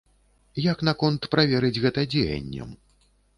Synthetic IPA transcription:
jɐkn̪akɔnt̪pɾavʲɛɾɨd͡zʲɣɛt̪ɐd͡zʲḛjɐ̰nʲːɐ̰m

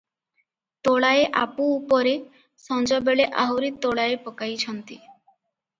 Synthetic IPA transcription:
t̪oɭaeʔapuːpɔɾe | sɔnd͡ʒɔbeɭeʔaɦoɾit̪ːoɭaepɔkajt͡ʃʰɔnt̪i

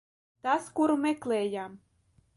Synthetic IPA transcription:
t̪askuɾmeklejam

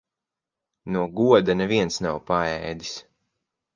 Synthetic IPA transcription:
nuɔɡuɔd̪anɛviɛnsnawpaɛːd̪i̥s

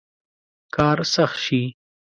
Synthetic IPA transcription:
kʰɑːɾsɐxʃi

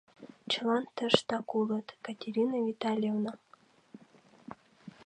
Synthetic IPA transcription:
t͡ɕ̆lˠɑnt̪ə̆ʂt̪ɑkulˠɤt̪kat̪ʲeɾʲinavʲit̪ɑlʲjevna

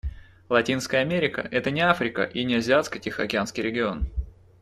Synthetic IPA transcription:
lˠɐtʲinskəjəɐmʲeɾʲɪkə̰ʔɛt̪ənʲɪafɾʲɪkə̰ʔinʲɪɐzʲɪat̪skətʲɪxɐkʲɪanskʲɪjɾʲɪɡʲɪo̞n

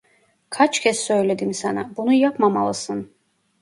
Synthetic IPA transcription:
kʰat͡ʃcʰɛsːøjled̪imsana̰bunujapmamalˠɯsɯn

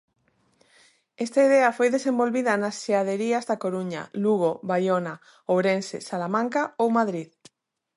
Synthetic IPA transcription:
est̪aiðeɐfojðesembolβiðɐnasʃeaðeɾiazðakoɾuɲa̰luɣ̞oβajona | oβɾensḛsalamãŋkaowmaðɾið

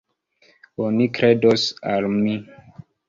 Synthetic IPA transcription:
onikɾedosalmi

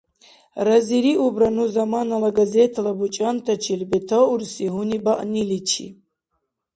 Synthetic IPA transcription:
raziɾiʔubɾanuzamanalaɡazɛt̪ʰalabut͡ʃʼant̪ʰat͡ʃʰilbɛt̪ʰauɾsiɦunibaʔnilit͡ʃʰḭ

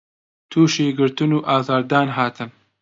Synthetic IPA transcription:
t̪ʰuːʃeːɡɨɾt̪ɨnuːʔaːzaːɾd̪aːnɦaːt̪ʰɨn

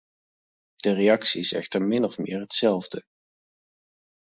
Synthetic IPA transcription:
d̥ərejɑksiɪsɛ̰xtəɹmɪnɔfmɪːɹɦətsɛlˠvdə

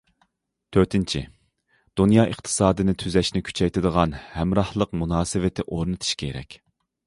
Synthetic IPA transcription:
t̪ʰøɾt̪ʰɪnt͡ʃʰḭ | d̪̥unjɑːʔəχt̪ʰɨ̥sɑːd̪ɨnɪt̪ʰyzɛʃnɪkʲʰy̥t͡ʃʰɛjt̪ʰɨd̪əʁɑnhɛmɾɑhlˠəqmunɑːsɨvɪt̪ʰɪʔoɾnɨt̪ʰɨ̥ʃkʲʰeɾɛ̰kʲ

